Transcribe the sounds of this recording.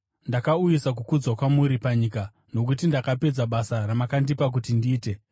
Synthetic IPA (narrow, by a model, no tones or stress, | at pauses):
ndakaujisak̬ukud͡zwakwamuɾipaɲika | no̞k̬ut̬indakape̞d͡zaɓasaramakandipak̬utindiːte̞